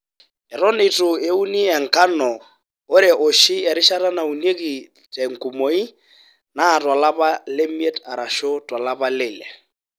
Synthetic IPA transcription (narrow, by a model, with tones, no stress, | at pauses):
ɛ˨ɾɔ˦nɪ˨tʼʊ˨e˦u˦ni˦ɛ˨ŋ̩˨ka˦nɔː˨˦ | ɾɪ˨ʔo˨ʃɪ˦ja˨ɾɪ˦ʃa˦ɾa˦na˨u˨n˦e˦ki˨ | tʼɛ˨ŋ̩˨ku˨mo˨˦i˦ | naː˦˨tʼwa˨la˦pa˦le˦mi˦ɛ˦ta˨ɾa˨ʃo˦twa˨la˦pa˦lɪː˨lɛ̰˨